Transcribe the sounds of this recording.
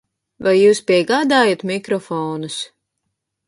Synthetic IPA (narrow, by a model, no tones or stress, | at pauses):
vajːuːspʲiɛɡaːd̪aːjat̪mʲikɾɔfɔːnus